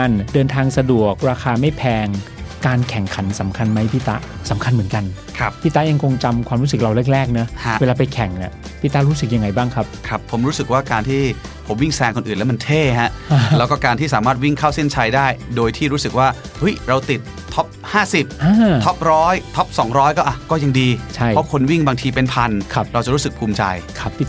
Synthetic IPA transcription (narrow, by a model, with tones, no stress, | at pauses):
a˧ndɤː˧nt̪ʰaː˧ŋsa˧du˨˩ək̚ɾaː˧kʰaː˧ma˥˩jpʰɛː˧ŋ | kaː˧nkʰɛ˨˩˦ŋkʰa˩˦nsa˩˦mkʰa˧nma˦˥jpʰiː˦˥˩t̪a˦˥ʔsa˩˦mkʰa˧nmɯ˩˦nka˧n | kʰa˦˥ppʰiː˦˥˩t̪ːa˦˥ja˧ŋkʰo˧ŋt͡ɕa˧mkʰwaː˧mɾuː˦˥sɯ˨˩k̚ɾa˧wɾe˦˥˩k̚ɾɛː˥˩k̚na˦˥hweː˧laː˧pa˧jkʰɛ˨˩˦ŋni˨˥˩pʰiː˦˥˩t̪a˦˥ɾuː˦˥sɯ˨˩k̚ja˧ŋːa˧jbaː˥˩ŋkʰa˦˥p̚kʰɾa˦˥pʰːo˩˦mɾuː˦˥sɯ˨˩k̚waː˥˩kaː˧nt̪ʰiː˥˩ | o˩˦mwi˥˩ŋsɛː˧ŋkʰo˧nʔɯː˨˩nlɛ˦˥ma˧nt̪ʰeː˥˩ɦa˦˥ʔlɛ˦˥kɔː˥˩kaː˧nt̪ʰiː˥˩saː˩˦maː˥˩wi˥˩ŋkʰaː˥˩wse˥˩nt͡ɕʰa˧jdaː˥˩jdoː˧jt̪ʰiː˥˩ɾuː˦˥sɯ˨˩k̚waː˥˩ | hu˦˥jɾa˧wt̪i˨˩t̪ʰːɔ˦˥p̚haː˥˩si˨˩p̚ʔaː˧t̪ʰɔ˦˥p̚ɾɔː˦˥jt̪ʰɔ˦˥p̚sɔː˩˦ŋɾɔː˦˥jkɔː˥˩ʔa˨˩kɔː˥˩ja˧ŋdiː˧t͡ɕʰa˥˩jʰɔ˦˥kʰo˧nwi˥˩ŋbaː˧ŋt̪ʰiː˧pe˧npʰa˧nkʰa˦˥p̚ɾa˧wt͡ɕa˨˩ɾuː˦˥sɯ˨˩k̚pʰuː˧mt͡ɕa̰˧jkʰa˦˥pʰːiː˥